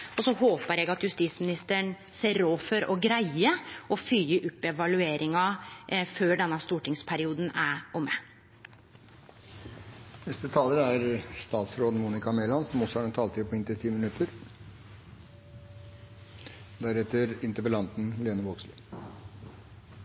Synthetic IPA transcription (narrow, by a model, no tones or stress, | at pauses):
ɔsɔhoːpəɾjæɡɑt̪jʉst̪iːt̪smɪnɪst̪əɳ | seːɾoːfɔɾʔɔɡɾæɪəʔɔfyːəʔʊpːɛʋɑlʉeːɾɪŋɑføːɖɛnːɑst̪uːʈɪŋspʰæɾɪuːd̪n̩æɾʊmːə | nɛst̪ət̪ʰɑːləɾæɾst̪ɑːt̪sɾoːd̪n̩muːnɪkɑmeːlɑnsɔmɔsɔhɑɖɛnt̪ʰɑːlt̪ʰɪpʰɔɪnt̪ət̪ʰiːmɪnʉt̪ʰəɾ | d̪æɾɛt̪ːəɾɪnt̪əpəlɑnt̪n̩leːnəʋoːkslɪ